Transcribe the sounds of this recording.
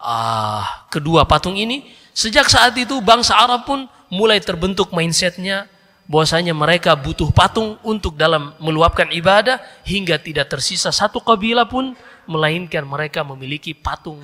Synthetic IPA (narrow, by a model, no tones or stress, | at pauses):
ʔa | kəduapat̪ʊŋini | səd͡ʒak̚saːt̪it̪̬ubaŋsaːɾapʊn | mulajt̪ərbənt̪ʊk̚mainsɛt̪̚ɲa | bawasaɲaməɾekabut̪ʊhpat̪ʊŋunt̪ʊk̚dalamːəluap̚kanibadahhiŋɡat̪idaʔ̚t̪ərsisasat̪uqabilapʊnməlainkanməɾekaməmilikipat̪ʊŋ